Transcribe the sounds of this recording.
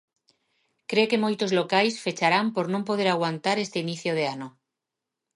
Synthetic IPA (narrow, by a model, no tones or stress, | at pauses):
kɾe̞ke̞mojt̪o̞zlo̞kajsfe̞t͡ʃaɾampo̞ɾnõmpo̞ð̞eɾaɣwant̪aɾe̞st̪einiθjoð̞eano